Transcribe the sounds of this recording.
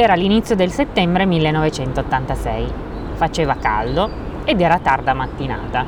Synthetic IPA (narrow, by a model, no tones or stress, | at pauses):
ɛːɾalːinit̪sːjod̪elset̪ːɛmbɾemilːenːɔvet͡ʃɛnt̪ot̪ːant̪asɛj | fat͡ʃeːvaka̰ld̪o | ed̪ɛːɾat̪ard̪amat̪ːina̰ːt̪a